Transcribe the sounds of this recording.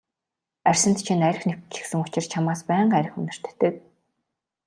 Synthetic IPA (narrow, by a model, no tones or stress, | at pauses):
ærʲsɘ̆nt̪t͡ɕʰinæɾʲɪ̆xnekt͡ɕɪ̥̆ksɘ̆ŋʊt͡ɕɪ̆rt͡ɕʰamaːspæːɴɢæɾʲɪ̆xɵnɪ̆r̥t̪̆ʰt̪ːɘ̆k̚